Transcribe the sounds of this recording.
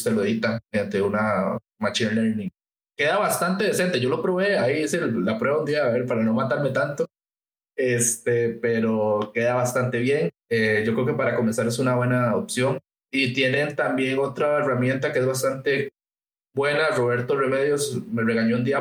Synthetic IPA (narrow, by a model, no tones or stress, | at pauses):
seloeðit̪amejant̪euna | mat͡ʃinleɾnĩŋ | ke̞ðaβast̪ant̪eðesent̪eʝo̞lo̞pɾo̞βeaiiselapɾweβaund̪iaβeɾpaɾano̞mat̪aɾme̞t̪ant̪o | est̪epeɾoke̞ðaβast̪ant̪e̞βje̞ŋ | eɟ͡ʝokɾeokepaɾako̞me̞nsaɾesunaβwe̞naopsjo̞ŋ | it̪je̞ne̞nt̪ambje̞ŋo̞t̪ɾaeramje̞nt̪akeezβas̬t̪ant̪e̞ | bwe̞naro̞βe̞ɾt̪ore̞me̞ðjo̞sme̞re̞ɣaɲound̪ia